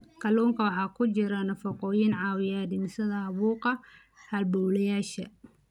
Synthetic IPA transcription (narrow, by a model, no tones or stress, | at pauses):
kʰɐlɔːŋkʰɐwɑħɑːkʰʊt͡ʃɪɾɐnɐfɐqɔːjɪnʕɑːwɪjad̪ɪnsɐðɐɐβuːqɐ | hɐlbɔwlɐjaːʃɐ̰